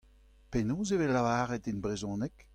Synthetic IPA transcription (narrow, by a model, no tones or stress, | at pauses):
penoːzevɛlːavaːʁɛtinbʁezɔ̃ːnɛk